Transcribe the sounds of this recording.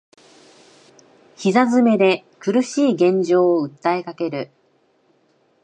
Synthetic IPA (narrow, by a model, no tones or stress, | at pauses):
çizazɨme̞d̪e̞kɯ̟ɾɯ̟ɕiːɡẽ̞ɲ̟d͡ʑo̞ːɯ̟t̪ːae̞kake̞ɾɯ̟